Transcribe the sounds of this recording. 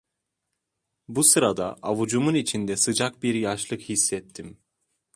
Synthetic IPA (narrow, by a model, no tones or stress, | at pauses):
busɯɾad̪a̰ʔavud͡ʒumunit͡ʃʰind̪ɛsɯd͡ʒak̚biɾjaʃlˠɯkhisːɛt̪ʰːim